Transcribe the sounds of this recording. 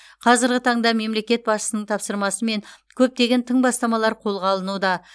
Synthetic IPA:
qʰɑzɪɾɡʲɪt̪ʰɑɴd̪ɑme̞mle̞kʲe̞t̪̚bɑsʃə̥sənəɴt̪ʰɑpsəɾmɑsəme̞ŋkʲʰɵp̚t̪e̞ɡʲe̞nt̪ʰəɴbɑst̪ɑmɑlˠɑɾqʰo̞lˠʁɑlˠənud̪ɑ

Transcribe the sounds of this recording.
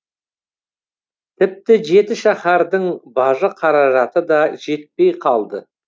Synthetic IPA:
t̪ʰɪp̚t̪ɪʒe̞t̪ɪʃɑχɑɾd̪əɴbɑʒəqʰɑɾɑʒɑt̪əd̪ɑʒe̞t̪̚pe̞jqʰɑlˠd̪ə̰

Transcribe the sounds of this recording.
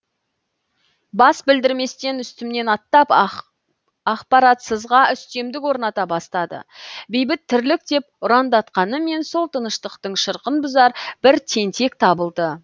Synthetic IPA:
bɑsbɪld̪ɪɾme̞st̪e̞nʏst̪ɪmne̞nɑt̪ːɑp | ɑqpɑɾɑt̪səzʁɑʏst̪e̞md̪ɪkwo̞ɾnɑt̪ɑbɑst̪ɑd̪ə̰bejbɪt̪ʰːʏɾlɪk̚d̪e̞pʊɾɑnd̪ɑt̪qɑnəme̞nso̞lˠt̪ʰənəʃt̪əqt̪əɴʃəɾqənbʊzɑɾb̥ɪɾt̪ʰe̞nt̪e̞k̚t̪ʰɑbəlˠd̪ə

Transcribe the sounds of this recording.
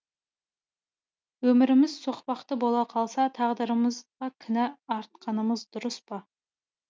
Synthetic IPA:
wɵmɪɾɪmɪzsoqpɑqt̪əbolˠɑqʰɑlˠsɑt̪ʰɑʁd̪əɾəməzʁɑkʲʰɪnæɑɾt̪̚qʰɑnəməzd̪ʊɾəspɑ

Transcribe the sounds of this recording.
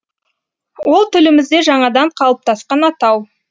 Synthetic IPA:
wo̞lˠt̪ʰʏlɪmɪzd̪e̞ʒɑɴɑd̪ɑɴqʰɑlˠəp̚t̪ʰɑsqɑnɑt̪ɑw

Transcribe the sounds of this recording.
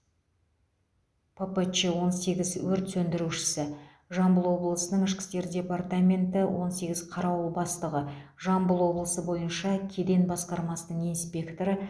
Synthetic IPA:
pʰəpət͡ʃewo̞nse̞ɡʲɪzwɵɾt̪sɵnd̪ɪɾuʃɪ̥sɪ | ʒɑmbəlˠwo̞blˠəsənəɴɪʃkʲɪ̥st̪e̞ɾdʲe̞part̪amʲe̞nt̪ɪwʔo̞nse̞ɡʲɪzqʰɑɾɑwbɑst̪əʁə | ʒɑmbəlˠwo̞blˠəsəbo̞jənʃɑkʲʰe̞d̪e̞nbɑsqɑɾmɑsənəɴijnspʲe̞kt̪o̞ɾə

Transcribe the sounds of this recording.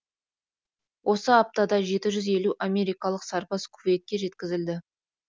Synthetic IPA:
wʔo̞səɑp̚t̪ɑd̪ɑʒe̞t̪ɪʒʏze̞luʔamʲe̞ɾijkɑlˠəqsɑɾpɑskʰʊvet̪̚kʲːe̞ʒe̞t̪kʲɪzɪld̪ɪ

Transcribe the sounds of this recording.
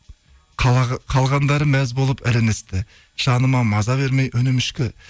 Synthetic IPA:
qʰɑlˠʁɑnd̪ɑɾəmæzbo̞lˠəpæɾenest̪ɪ | ʒ̥ɑnəmɑmɑzɑβe̞ɾmejʔɵnɪmɪʃkʲɪ

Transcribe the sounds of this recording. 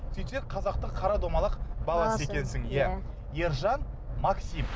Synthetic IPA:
sejt̪eɾqʰɑzɑqt̪əqʰːɑɾɑd̪omɑlˠəqbɑlˠɑne̞kʲe̞nsɪŋjæ | je̞ɾʒɑn | mɑksim

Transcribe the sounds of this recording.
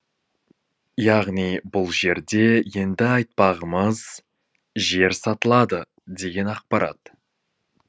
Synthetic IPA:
jɑʁnijbʊlˠʒe̞ɾd̪e̞je̞nd̪ɪɑjt̪̚pɑʁəməz̥ | ʒe̞ɾsɑt̪əlˠɑd̪ə | d̪e̞ɡʲe̞nɑq̚pɑɾɑ̰t̪

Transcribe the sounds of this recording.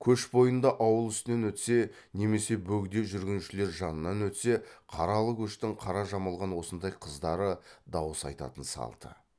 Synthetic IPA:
kʲʰɵʃbo̞jənd̪ɑʔɑwəlˠʏst̪ɪne̞nwɵt̪se̞ | ne̞me̞se̞bɵɡd̪e̞ʒʏɾɡʲɪnuʃɪle̞ɾʒɑnənːɑnwɵt̪se̞qʰɑɾɑlˠəkʲʰɵʃt̪ɪɴqʰɑɾɑʒɑməlˠʁɑnwo̞sənd̪ɑjqʰəzd̪ɑɾəd̪ɑwəsɑ̰jt̪ɑ̰t̪ənsɑ̰lˠd̪̥ə̰

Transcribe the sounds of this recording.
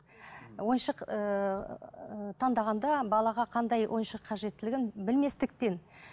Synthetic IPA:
wo̞jnʃəqə | t̪ʰɑnd̪ɑʁɑnd̪ɑbɑlˠɑʁɑqʰɑnd̪ɑjwʔo̞jnʃəqʰːɑʒe̞t̪ːɪlɪɡʲɪnbɪlme̞st̪ɪk̚t̪e̞n

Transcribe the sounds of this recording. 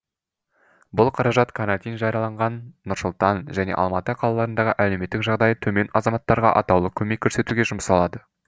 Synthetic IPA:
bʊlˠqʰɑɾɑʒɑt̪kʰanɑt̪ijnʒɑɾijɑlˠɑɴʁɑnːʊɾsʊlˠt̪ɑnʒæne̞̰ʔɑ̰lˠmɑt̪əqʰɑlˠɑlˠɑɾənd̪ɑʁəʔælewme̞t̪ːɪkʒɑʁd̪ɑjət̪ʰɵme̞nɑzɑmɑt̪ːɑɾʁɑ̰ʔɑ̰t̪ɑwlˠəkʲʰɵme̞kʲʰːɵɾse̞t̪uɡʲe̞ʒʊməsɑlˠɑd̪ə

